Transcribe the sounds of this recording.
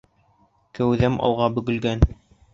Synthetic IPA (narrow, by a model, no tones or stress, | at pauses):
kæwðæmʔɑ̰w̪ˠʁɑbɵ̆ɡɵ̆lɡæn